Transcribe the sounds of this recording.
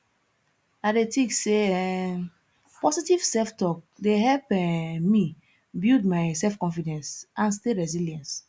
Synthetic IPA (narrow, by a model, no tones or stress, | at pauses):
adetĩkseɛ | pɔsitiv̥sɛftɔk̚deɦɛlpɛmi | bidmaɪsɛlfkɔ̃nfidɛ̃nsʔãnsteɹɛziljɛ̃ns